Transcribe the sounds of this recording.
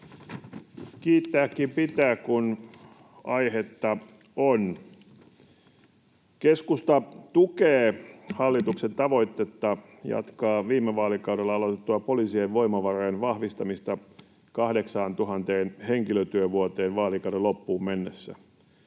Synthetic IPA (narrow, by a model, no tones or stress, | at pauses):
kiːt̪ːæːkːimpit̪æːkkun | ɑjhet̪ːɑ | on | keskust̪ɑt̪ukeːhɑlːit̪uksent̪ɑʋo̞it̪ːet̪ːɑ | jɑ̰t̪kɑːʋiːmːeʋɑːlikɑudelːɑɑlot̪et̪ːuɑpoliːsieʋʋo̞imɑʋɑroːnʋɑhʋist̪ɑmist̪ɑ | kɑhdeksɑːnt̪uɦɑnt̪eːnheŋkiløt̪yøʋuot̪eːnʋɑːlikɑuɾelopːuːmmenːesːæ̰